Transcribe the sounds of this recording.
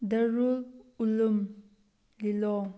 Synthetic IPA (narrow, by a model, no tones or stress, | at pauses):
dɐɾululum | lilɔ